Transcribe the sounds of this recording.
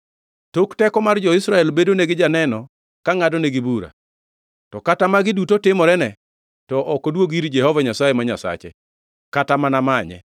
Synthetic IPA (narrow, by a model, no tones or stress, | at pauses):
toktɛkɔmard͡ʒɔɪsɾaɛlbedoneɡɪd͡ʒanɛnɔ | kaŋadɔneɡɪbuɾa̰ | tɔkatamaɡɪdutotɪmɔɾɛnɛ | tɔʔɔkɔdwoɡiɾd͡ʒɛhɔvaɲasajemaɲasa̰t͡ʃḛ | katamanamaɲɛ̰